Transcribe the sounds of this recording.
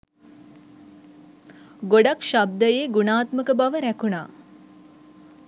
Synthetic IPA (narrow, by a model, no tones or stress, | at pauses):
ɡoɖakʃab̚d̪əjeːɡunaːt̪məkəbaʋəɾækuna̰ː